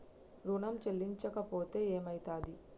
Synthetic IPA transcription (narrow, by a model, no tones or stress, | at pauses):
ɾuːnɐmt͡ʃelːiɲt͡ʃɐkɐpo̞ːt̪e̞ːeːmɐjt̪aːd̪i